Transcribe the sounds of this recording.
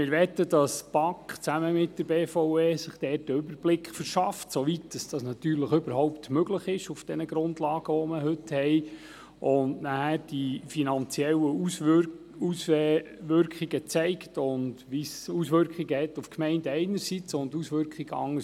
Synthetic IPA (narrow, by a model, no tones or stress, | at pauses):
mɪɾʋɛt̪ːədɑsb̥ɑkχt͡sæməmɪt̚d̥əɾbeːfɔʊeːsɪχd̥ɛːtdəʏbəɾb̥lɪkχfəɾʃɑftsoʋitd̥ɑsd̥ɑsnɑt̪yːɾləχʏbəɾɦɔʊpt̪møɡləχɪʃufd̥ɛnəɡɾʊndlɑːɡ̥əʋɔməɦʏthɛɪ | ʔʊndnæhæɾd̥ifinɑnt͡siɛlə | us | ʋʏɾkχiɡət͡sɛɪktʊndʋisusʋʏɾkχiɡəhɛtːufkmɛɪndəɛɪnəɾsit͡sʊndusʋʏɾkχiɡəɑ̰ŋːə